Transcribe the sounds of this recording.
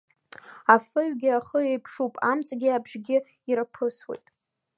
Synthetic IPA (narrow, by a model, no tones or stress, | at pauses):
afɨɥɡʲɪaχəejpʰʂupʼa̰mt͡sʼɡʲɪabʐɡʲɪ | iɾapʰɨswḛjtʼ